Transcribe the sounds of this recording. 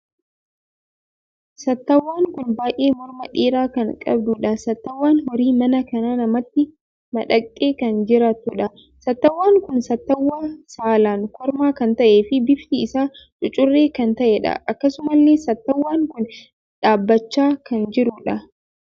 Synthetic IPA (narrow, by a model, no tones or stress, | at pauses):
sɐt̪ːɐwːaːŋkʊnbaːʔeːmɔɾmɐᶑiːɾaːkɐŋkʼɐ̰b̚d̪ʊᶑɐsɐt̪ːɐwːaːnhɔɾiːmɐnɐkɐnaːnɐmɐt̪ːɪ | mɐᶑɐkʼːe̞ːkɐnd͡ʒɪɾaːt̪uᶑɐ | sɐt̪ːɐwːaːŋkʊnsɐt̪ːɐwːaːsaːlaːŋkʰɔɾmaːkɐnt̪ɐʔeːfɪbɪft̪iɪsaː | t͡ʃʼʊt͡ʃʼʊrːeːkɐnt̪ɐʔɛᶑɐ̰ʔɐkːɐsʊmɐlːeːsɐt̪ːɐwːaːŋkʊn | ᶑaːbːɐt͡ʃːaːkɐnd͡ʒɪɾʊᶑɐ